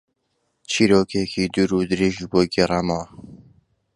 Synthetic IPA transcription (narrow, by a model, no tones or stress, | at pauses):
t͡ʃʰiːɾoːkʰekʰiːd̪uɾud̪ɨɾeʒboːɡeramɐwa